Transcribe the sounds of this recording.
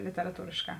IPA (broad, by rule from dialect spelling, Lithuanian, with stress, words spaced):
lʲɪtʲɛrɐˈtuːrʲeːʃˌkɑː